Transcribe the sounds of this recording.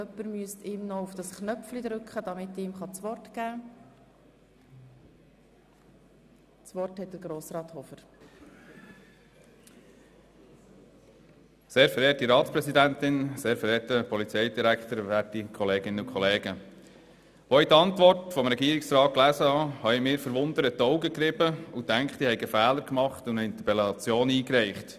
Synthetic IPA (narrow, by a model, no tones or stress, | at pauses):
œpːəɾmyəstɪːmnɔufd̥ɑsknœpflid̪ɾʏkχəd̥̪ɑmɪt̪ɪmχɑt͡sʋɔrtɡ̥æː | t͡sʋɔrthɛtdəɾɡɾoːsɾɑːt̪hɔfəɾ | seːɾfɛɾeːtiɾɑːtspɾɛsid̪æntɪnseːɾfɛɾɛːtəpʰɔlit͡sɛɪdiɾækχt̪əɾʋætikʰɔleːɡ̥ɪnəukʰχɔleːɡ̥ə | ʋoːitɑntʋɔrtfɔmɾɛɡiːɾɪksɾɑːt̚klæːsəhɑhɑɪmɪːɾfəɾʋʊnd̪əɾətːɔwɡəkɾɪbəutæŋkχt̪ihɛɪɡəfæːləɾkmɑχt̪ʊnəɪnt̪əpɛlɑt͡sjoːniːkɾɛɪχt